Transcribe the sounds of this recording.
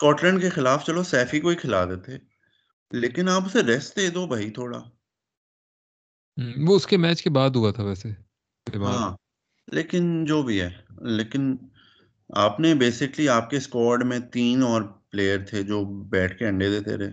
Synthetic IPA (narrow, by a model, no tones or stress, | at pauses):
skɔːʈlɛ̃ːɳɖkexɪlaːft͡ʃɐlosɛːfikoikʰɪlaːd̪et̪ʰeː | leːkɪnaːpʊseɾɛsʈd̪eːd̪oːbɐɦit̪ʰoːɽa̰ː | ʋoʊskemɛːt͡ʃkebaːd̪ɦʊat̪ʰaʋɛːse | ebaɦːãː | lʔḛːkɪnd͡ʒoːbʱiɦɛːleːkɪn | a̰ːpnebeːsɪkliaːp̚keskɔːɾɖmẽt̪iːnɔːɾpleːjəɾt̪ʰed͡ʒoːbɛːʈʰkeɐ̃ɳɖed̪eːt̪ḛɾḛː